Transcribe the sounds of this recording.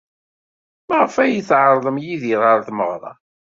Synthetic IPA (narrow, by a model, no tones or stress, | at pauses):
mæʁəfæjiθʕəɾˤðˤəmjiðiðˤəɾˤθməʁɾˤɑ̰